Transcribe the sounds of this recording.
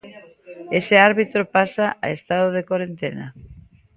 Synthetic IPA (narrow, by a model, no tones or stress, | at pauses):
eseaɾβit̪ɾopasaʔa̰est̪aðoðekoɾent̪ena̰